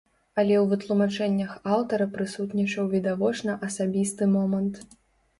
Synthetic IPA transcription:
ɐlʲɛwvɨt̪lˠumat͡ʂɛnʲːɐxawt̪ɐɾɐpɾɨsut̪nʲit͡ʂɐwvʲid̪avɔt͡ʂnɐʔɐsabʲist̪ɨmɔmɐnt̪

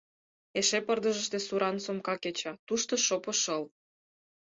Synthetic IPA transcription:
eʃepərd̪əʒəʃt̪esuɾɑnsomkɑket͡ɕɑt̪uʃt̪oʃopɤ̆ʃəl

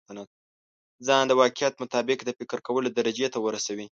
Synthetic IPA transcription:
ana | zɑnd̪əwɑkɪjat̪mʊt̪ɑbɪkd̪əfɪkɾkawəlod̪aɾad͡ʒet̪awəɾasawi

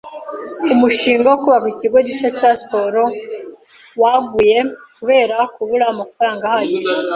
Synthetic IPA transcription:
umuʃiːŋɡawokuβakiciɡo̞ɟiʃacaspo̞ɾo̞ | waɡuje̞kuβe̞ːɾakuβuɾamafaɾaːŋɡahajo

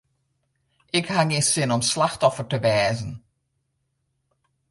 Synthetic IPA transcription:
ɪkhaŋisɪnɔmslaxtɔfəɹtəʋɛːzən

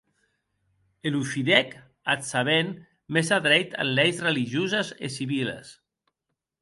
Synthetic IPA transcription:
elufiðɛk | at̪saβen | mezaðɾɛjt̪a̰nlɛjzreliʒozəzḛsiβilə̰s

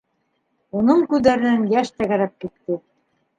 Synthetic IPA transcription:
unɤɴkʉðæɾɘ̆nænjæʃt̪æɣæɾæp̚kit̪ːɘ

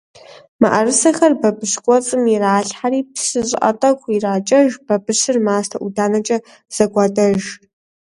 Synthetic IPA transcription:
ma̰ʔɐrɨsɐxɐrbɐbɨʃkʷʼɔt͡sʼɨmiraːɬħaɾiːpʰsɨɕʼɪ̰ʔʼɐ̰tʼɐkʷʰʼiraːt͡ʃʼɐʒb̥ɐbɨɕɨrmaːstʰɐʔudaːnɐt͡ʃʼɐ | z̥ɐɡʷɑːtʼɐʒ

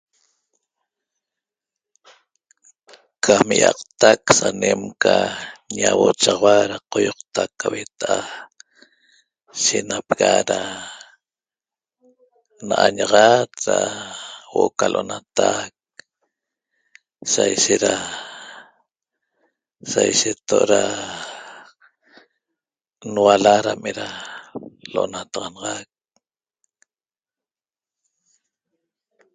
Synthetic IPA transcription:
kʰamiʔɑqt̪aksanemkaɲawot͡ʃɑʁwaɾaqojoqt̪akːawet̪aʔa | ʃenapɣaɾa | naʔaɲaʁɑt̪ɾa | woʔokalʔonat̪ak̚ | sajʃeʔ̪ɾa | sajʃet̪ːoʔɾa | nwalaɾameɾa | loʔnat̪ɑʁɑnɑʁɑk̚

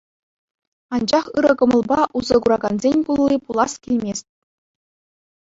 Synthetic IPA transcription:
ɑnd͡ʑɑχɯɾɤ̆ɡɤ̆mɤ̆lˠbɑʔuzɤ̆ɡuɾɑɡɑnzʲenʲkulˠːʲipulˠɑskʲilʲmʲesʲtʲ

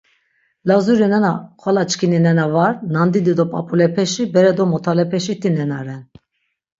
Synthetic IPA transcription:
lazuɾinɛnakʰalat͡ʃʼkʰininɛnavaɾnand̪id̪id̪ɔpʼa̰pʼulɛpʰɛʃibɛɾɛd̪ɔmɔt̪ʰalɛpʰɛʃit̪ʰinɛnaɾɛn

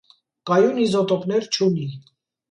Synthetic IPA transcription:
kɑjunizɔt̪ɔpnɛɾt͡ʃʰuni

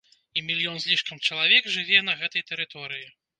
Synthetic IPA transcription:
imʲilʲjɔnzʲlʲiʂkɐmt͡ʂɐlˠavʲɛɡʐɨvʲɛnɐɣɛt̪ɐjt̪ɛɾɨt̪ɔɾɨji

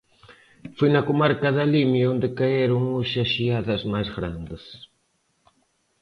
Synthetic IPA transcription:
fenakomaɾkaðalimjond̪ekaeɾoŋuʃaʃiaðasmazɣɾand̪ɪs

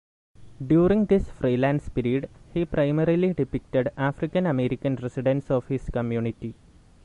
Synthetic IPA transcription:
ɖjuːɾĩŋɡd̪isfriːlaːnspiɾijɐɖhiprɐjmɐɾiliɖipik̚ʈeɖaːfrikːɐnɐmeːɾikʲːɐnresiɖɐ̃nsoːʋhiskɐmjuːnitːi

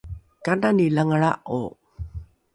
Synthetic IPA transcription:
kananilaŋəɭa̰ʔo̰

